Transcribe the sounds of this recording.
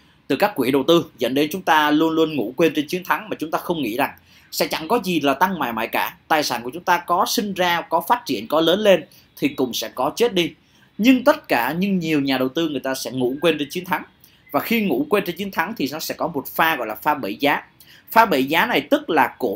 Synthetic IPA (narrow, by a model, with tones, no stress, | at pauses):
t̪ɨ˨˩kaː˦˥kːwi˧˩˨ɗə˨˩wt̪ɨ˧zə̰˧˥nɗe˨˦nt͡ɕʊ˨˦ŋ͡mt̪aː˧lu˧ənlu˧ənŋṵ˧˥kwe˧nt͡ɕe˧nt͡ɕi˨˦ənt̪ʰa˨˦ŋmaː˨˩t͡ɕʊ˨˦ŋ͡mt̪aː˧xə˧wŋ͡mŋḭ˧˥za˨˩ŋ | sɛ̰˧˥t͡ɕa̰˧˩ŋkɔ˨˦zi˨˩laː˨˩t̪a˧ŋma̰ː˧˩jma̰ː˧˨jkaː˧˩t̪aː˨˩jsaː˧˩nku˧˩ət͡ɕʊ˨˦ŋ͡mt̪aː˧kɔ˨˦sï˧ŋ̟zaː˧kɔ˨˦faː˦˥t̚t͡ɕḭ˧˩˨ənkɔ˨˦ləː˨˦nle˧n | t̪ʰi˨˩kʊ̰˧˩ŋ͡msɛ̰˧˥kɔ˨˦t͡ɕe˦˥t̚ɗi˧ | ɲɨ˧ŋt̪ə˦˥t̚kaː˧˩ɲɨ˧ŋɲi˨˩əwɲaː˨˩ɗə˨˩wt̪ɨ˧ŋɨ˨˩əjt̪aː˧sɛ̰˧˥ŋṵ˧˥kwe˧nt͡ɕe˧nt͡ɕi˨˦ənt̪ʰa˨˦ŋ | vaː˨˩xi˧ŋṵ˧˥kwe˧nt͡ɕe˧nt͡ɕi˨˦ənt̪ʰa˨˦ŋt̪ʰi˨˩nɔ˨˦sɛ̰˧˥kɔ˨˦mo˨˩t̚faː˧ɣɔ̰˧˨jlaː˨˩faː˧ɓḛ˧˩zaː˨˦ | faː˧ɓə̰˧˩zaː˨˦na˨˩jt̪ɨ˦˥k̚laː˨˩ko˧˩